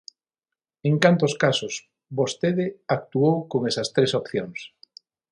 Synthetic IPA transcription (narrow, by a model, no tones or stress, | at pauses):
eŋkant̪oskasʊs | βost̪eðɪak̚t̪uowkoŋesɐst̪ɾesopθjoŋs